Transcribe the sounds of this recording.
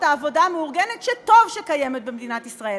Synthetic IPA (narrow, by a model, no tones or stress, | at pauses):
taːvo̞dameuʁɡenetʃeto̞vʃekajeme̞t̪̚bemed̪inatisʁae